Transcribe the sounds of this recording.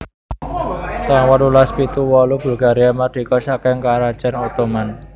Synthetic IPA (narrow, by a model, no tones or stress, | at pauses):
t̪aŋwalulaspit̪uwɔlub̥ṳlɡ̥a̤ɾiamad̪̥i̤kɔsakɛŋkaɾḁt͡ʃɛnot̪oman